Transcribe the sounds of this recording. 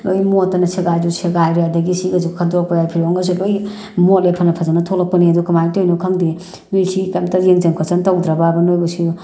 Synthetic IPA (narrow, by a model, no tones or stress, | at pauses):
lojmotːɐnɐseɡajd͡ʒuseɡajɾeadɐɡisiɡɐzukʰadopajajpʰiɾoŋɐs̬uloj | motlepʰɐnɐpʰɐzanɐtʰolɐk̚pɐniɐdukɐmajtojnokʰɐŋdi | bisʰikamtɐjeŋzeŋkʰosɐntawdɾababɐnojbɐsi